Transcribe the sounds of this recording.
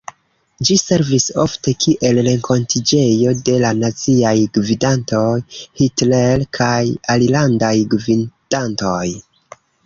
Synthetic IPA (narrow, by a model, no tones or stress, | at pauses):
d͡ʒise̞ɾviso̞fte̞kʰiʔe̞lɾe̞ŋkʰo̞ntid͡ʒe̞jo̞de̞lanat͡siajɡvidanto̞jhitlelkʰajalilandajɡvind̥anto̞j